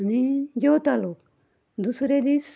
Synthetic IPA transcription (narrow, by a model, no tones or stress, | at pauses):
nid͡ʒot̪aːluk | d̪usɾed̪is